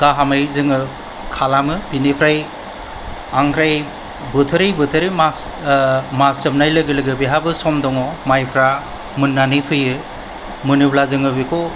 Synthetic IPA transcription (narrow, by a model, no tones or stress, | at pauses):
ɡ̥aɦamɯjzɯŋɯ | kʰalamɯbinipʰɾaj | aŋkʰɾaj | bɯtʰɯɾɯjbɯtʰɯɾɯmas | masɯmnajlɯɡɯlɯɡɯbiɦabɯsɔmdɔŋɔmajpʰɾa | mɯnːanipʰɯjɯ | mɯnɯblazɯŋɯbikʰɔ